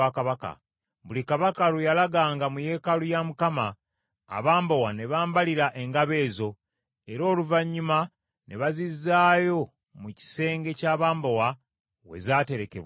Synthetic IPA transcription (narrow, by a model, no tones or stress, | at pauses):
akaβaka̰ | βulikaβakaɾujalaɡaːŋɡamuje̞ːkalujamukama̰ː | βaːmbowane̞βaːmbaliɾaʔe̞ŋɡaβe̞ːzo̞ | e̞ɾo̞ːluvaɲːuma | ne̞βazizːaːjo̞ | muci̥se̞ːŋɡe̞caːβaːmbowa | we̞̰zaːte̞ɾe̞ke̞̰βwa